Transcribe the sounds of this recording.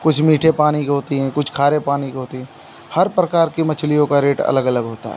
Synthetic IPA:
kʊt͡ʃʰmiːʈʰepaːnikɦoːt̪iɦɛ̃kʊt͡ʃʰkʰaːɾepaːnikɦoːt̪iɦɛ̃ | hɐɾpɾɐkaːɾkimɐt͡ʃʰlijõkaɾeːʈɐ̰ləɡɐləɡɦoːt̪a̰ɦɛ̰

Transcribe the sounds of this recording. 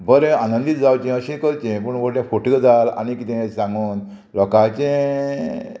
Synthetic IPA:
bəɾẽanənd̪it̪̚d͡zawt͡ɕɛ̃əɕɛ̃kəɾt͡ɕɛ̃p̬əɳʋoɾʈɛ̃foʈɡəd͡zala̰nikit̪ẽsãŋɡuːn | lɔkat͡ɕẽ

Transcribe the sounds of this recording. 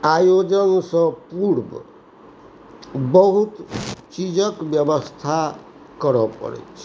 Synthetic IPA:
ajod͡ʒɔnsɔ̃puɾbɔ̰ | bɔɦut̪t͡ʃid͡ʒɔkbjɔbɔst̪ʰa | kɔɾɔpɔ̰ɾḛt͡ʃʰ

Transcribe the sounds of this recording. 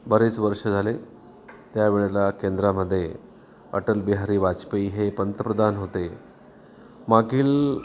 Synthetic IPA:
bəɾet͡sʋəɾʂəd͡zʱale | t̪jaʋiɭelakend̪ɾaməd̪ʱːje | ə̰ʈəlbiɦaɾiːʋat͡ɕpiːɦepənt̪əpɾəd̪anɦot̪e | maɡiːl

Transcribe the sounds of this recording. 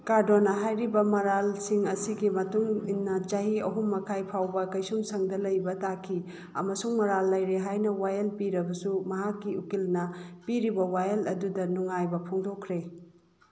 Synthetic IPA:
kaɾdonɐɦajɾibɐmɐɾalsiŋɐsiɡimɐtuŋinːɐt͡ʃɐɦiɐɦumːɐkʰajpʰawbɐkɐjsumsʰɐŋdɐlɐjbɐtakʰi | ɐmɐsuŋmɐɾalːɐjɾeɦajnɐwajɐlpiɾɐbɐsumɐɦakːiukilnɐpiɾibɐwajelɐdudɐnuŋajbɐpʰoŋdokʰɾe

